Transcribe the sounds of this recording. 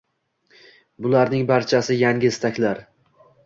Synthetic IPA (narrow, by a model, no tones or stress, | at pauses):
bʊlaɾnɪŋbaɾt͡ʃʰasɪjaŋʲɪst̪ʰakʲlaɾ